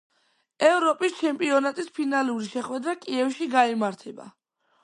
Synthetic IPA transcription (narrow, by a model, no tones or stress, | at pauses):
ɛvɾɔpʼist͡ʃʰɛmpʼiɔnat̪ʼispʰinaluɾiʃɛχwɛd̪ɾakʼiɛfʃiɡaimaɾt̪ʰɛba̰